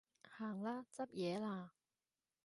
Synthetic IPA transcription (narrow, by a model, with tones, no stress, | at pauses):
haː˨˩ŋlaː˦˥t͡sɐ˥p̚jɛː˨˧˦laː˧˩